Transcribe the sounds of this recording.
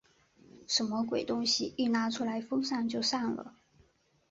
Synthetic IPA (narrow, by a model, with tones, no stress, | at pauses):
ʂə˧˥nmə˧kwe˨˩ɪt̪ʊ˥ŋɕi˨˩i˥˩na˧˥ʈ͡ʂʰu˧˥la˧˥ɪfɤ˥ŋʂa˥˧ŋt͡ɕjo˥˧ʊʂa˥˩ŋlə̰˩